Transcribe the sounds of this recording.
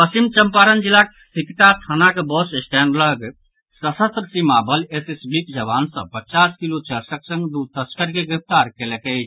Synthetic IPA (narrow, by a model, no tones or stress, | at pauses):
pəsimt͡ʃəmpaːɾənd͡ʒilːak | sʰikʈat̪ʰanakebɔssʈ̪ʰɛnləɡ | səsət̪ɾsimabəlesesbikd͡ʒəbaːnsə̰̃pət͡ʃaskilot͡ʃəɾsəksə̃ŋɡd̪ut̪əskəɾkeɡɾɪp̚ʰt̪aːɾkelekɛ